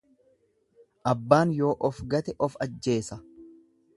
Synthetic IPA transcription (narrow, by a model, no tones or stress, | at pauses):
ʔɐbːaːnjo̞ːʔɔfɡɐt̪ɛʔɔfɐd͡ʒːe̞ːsɐ